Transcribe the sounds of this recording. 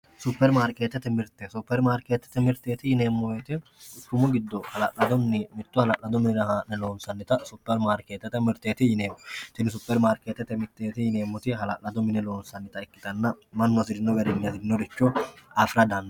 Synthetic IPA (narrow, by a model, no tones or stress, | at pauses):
sʊpːɛɾmaːɾkeːt̪ːɛt̪ːɛmɪɾt̪ɛsʊpːɛɾmaːɾkeːt̪ːɛ̥t̪ːɛmɪɾt̪ːeːt̪ɪjɪne̞ːmːɔweːt̪ɪkːʊmʊɡɪd̪ːɔhɐlɐ̰ʔɐd̪ɔnnɪmɪt̪ːʊhɐlɐʔɐd̪ɔmɪnɪɾɐhaːnɛlo̞ːnsɐnːɪt̪ɐsʊpːɛɾmaːɾkeːt̪ːɛt̪ːɛmɪɾt̪ːeːt̪ɪjɪne̞ːmːɔt̪ɪnɪs̬ʊpːɛɾmaːɾkeːt̪ːɛt̪ɛmɪt̪ːeːt̪ɪjɪne̞ːmːɔt̪ɪɦɐlɐʔlɐd̪ɔmɪnɪlo̞ːnsɐnːɪt̪ɐɪkːɪ̥t̪ɐnːɐmɐnːɔsɪd̪ɪnːɔɡɐɾɛɲːɐsɪd̪ɪnːɔd̪ɪt͡ʃːɔafɪɾɐd̪ɐnːɐ